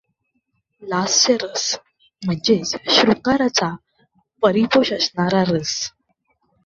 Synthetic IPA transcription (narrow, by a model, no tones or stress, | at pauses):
lasɕəɾəs | m̤əɳd͡ʑet͡sɕɾukaɾat͡sa | pəɾipoɕəsɳaɾaɾəs